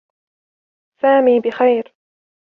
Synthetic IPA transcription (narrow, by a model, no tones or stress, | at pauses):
saːmiːbɪxajɾ